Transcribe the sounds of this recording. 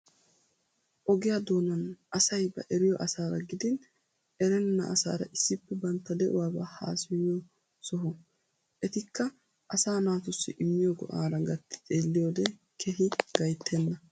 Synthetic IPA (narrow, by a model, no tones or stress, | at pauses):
ʔɔɡɪjad̪oːnɐnʔɐsɐjbɐ̰ʔɛɾɪjɔʔɐsaːɾɐɡɪd̪ɪn | ʔɛɾɛnːɐ̰ʔɐsa̰ːɾɐ̰ʔɪsːɪpːɛbɐnt̪ːɐd̪ɛʔʊwaːbaha̰ːsɪjjɔ | sɔɦɔ | ʔɛt̪ɪkːɐ | ʔɐsaːnaːt̪ʊsːɪ̰ʔɪmːɪjɔɡɔ̰ʔaːɾɐɡɐt̪ːɪ̥t͡sʼeːlːɪjoːd̪ɛ | kʰɛɦɪɡɐjt̪ʰːɛnːɐ